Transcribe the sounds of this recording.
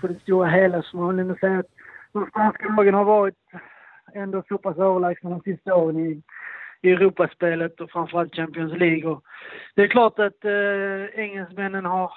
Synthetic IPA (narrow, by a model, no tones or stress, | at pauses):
pʰɔd̪ɛst̪uːɾaɦeːlasɔmolənɔsɛjːaat̪d̪̥ɔmst̪anskalɑːɡənhaɾvɑːɾɪt̪ | ɛnd̪ofuːpʰasøːvəɭæːɡ̚sfɛnd̪ɔmsɪst̪aoːɾənɪ | ɛɾuːpaspeːlət̪ɔfɾamfəɾalt̪̚ːɕæmpɪɔnsliːɡɔd̪̥ɛːɾklɑːʈat̪ | ɛŋːɛlsmɛnːənhaɾ